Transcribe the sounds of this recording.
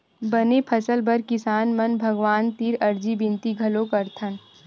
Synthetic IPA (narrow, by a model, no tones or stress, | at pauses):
bɐnepʰɐsəlbɐɾkɪsaːnmɐnbʱɐɡʋaːnt̪iːɾɐɾd͡ʒibɪ̃nt̪iɡʱɐlokɐɾt̪ʰən